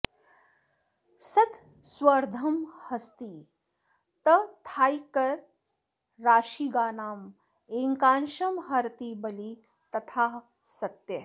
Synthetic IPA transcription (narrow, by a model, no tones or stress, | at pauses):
sɐt̪ | swɐɾd̪ʱɐmhɐst̪iː | t̪ɐt̪ʰaːjkɐɾː | aːʃiːɡaːnaːm | eːŋkaːnʃɐmɦɐɾt̪ibɐli | t̪ɐt̪ʰaː | sɐt̪jɐ